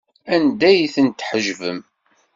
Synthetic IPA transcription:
ænd̪æjθənt̪ħəʒvəm

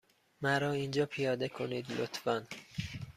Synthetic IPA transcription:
mæɾɒːind͡ʒɒːpʰijɒːd̪ekʰoniːd̪lot̪ʰfɒn

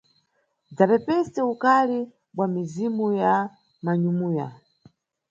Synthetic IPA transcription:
d͡zapɛpɛstɛukali | ɓwamizimuja | maɲumuːja̰

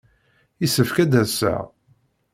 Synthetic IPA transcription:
isəfkæd̪æsæ̰

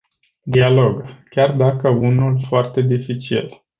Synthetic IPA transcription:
d̪ialo̞ɡkʲard̪akəunulfoart̪e̞d̪ifit͡ʃḭl

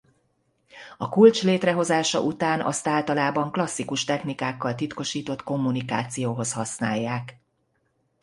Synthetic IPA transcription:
ɒkult͡ʃleːt̪rɛɦo̞zaːʃɒ̰ʔut̪aːnʔɒ̰st̪aːlt̪ɒlaːbɒŋklɒsːikuʃt̪ɛxnikaːkːɒlt̪it̪ko̞ʃiːt̪o̞t̪ko̞mːunika̰ːt̪sijoːɦo̞shɒsnaːjːaːk

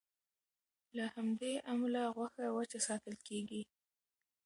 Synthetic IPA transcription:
lahamd̪eʔamlaɣwaxawat͡ʃasɑt̪əlkeɡi

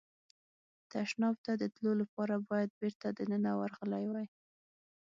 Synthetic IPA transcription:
t̪aʃnɑbt̪ad̪ət̪lolapɑɾabɑjad̪̚beɾt̪ad̪ənənawaɾɣəlajwaj

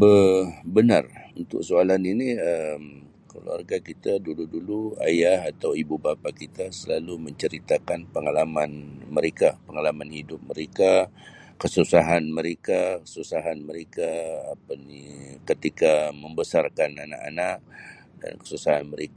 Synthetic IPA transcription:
bəbəna̰runt̪ʊ̰k̚soalaniniəm | kəlṵa̰rɡakit̪aduludulua̰jaɦat̪awibubapakit̪asəlaluməɲt͡ʃəɾit̪akanpəŋalamanməɾekapəŋalamanhidʊp̚məɾeka | kəsusaɦanməɾekakə̥susaɦanməɾekaapanikət̪ikaməmbəsarkanana̰ʔa̰naʔ̚ | da̰nkə̥susaɦanməɾeka

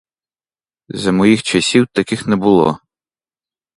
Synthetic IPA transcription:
zɐmɔjixt͡ʃɐsʲiwt̪ɐkɪxnɛbʊlˠɔ̰

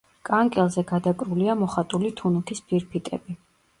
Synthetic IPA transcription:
kʼaŋkʼɛlˠzɛɡad̪akʼɾuliamɔχat̪ʼulit̪ʰunukʰispʰiɾpʰit̪ʼɛ̰bi

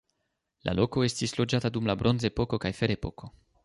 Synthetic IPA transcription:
lʔa̰lo̞ko̞e̞stislo̞d͡ʒatadumlabɾʔo̞nze̞po̞ko̞kajfe̞ɾe̞po̞ko̞

